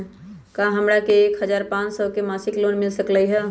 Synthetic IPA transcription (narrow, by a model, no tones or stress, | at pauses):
kãɦəmɽakeːkɦəzaːɾpãːt͡ʃsəkemaːsɪkloːnmɪlsəkləiɦɛ